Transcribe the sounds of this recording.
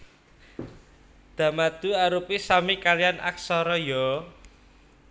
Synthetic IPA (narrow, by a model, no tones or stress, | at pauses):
d̪̥a̤mad̪̥ṳaɾupisamikalijana̰ksɔɾɔjɔ